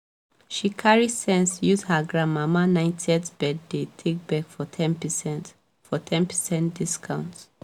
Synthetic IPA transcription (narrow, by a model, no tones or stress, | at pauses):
ʃikʰaɹisɛ̃nsjushaɡɹamamanãɪ̃ntʰiɛtbɛddetʰek̚bɛkfɔtʰɛ̃npsɛ̃nt | fɔtʰɛ̃npʰɛsɛ̃nd̥iskʰãʊ̃nt